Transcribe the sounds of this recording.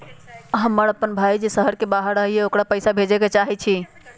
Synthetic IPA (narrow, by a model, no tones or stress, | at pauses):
ɦəmːəɾəpːənbʱajd͡ʒesəɦəɾkebaɦəɾəɦieokɽapəjsabʱed͡ʒeket͡ʃaɦit͡ʃʰi